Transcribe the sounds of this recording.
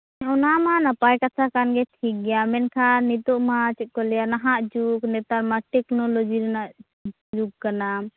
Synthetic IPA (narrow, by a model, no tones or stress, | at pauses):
ɛɔnamanapajkat͡ʃʰakanɡɛt̪ʰik̚ɡɛjamɛnkʰanit̪ɔʔmat͡ʃɛkɔljanaɦaʔd͡ʒuknɛt̪aɾmaʈɛknɔlɔd͡ʒiɾnaʔ | d͡ʒuk̚kana